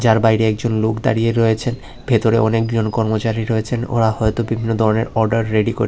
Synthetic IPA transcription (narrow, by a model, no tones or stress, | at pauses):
d͡ʑaɾbajɾeɛk̚d͡ʑonlokd̪a̰ɾieɾɔet͡ɕʰen | bʱet̪oɾḛʔɔnekd͡ʑonkɔɾmot͡ɕaɾiɾɔet͡ɕʰeno̰ɾahɔet̪obibʱinːod̪ʱɔɾoneɾɔɾɖaɾːeɖiko̰ɾ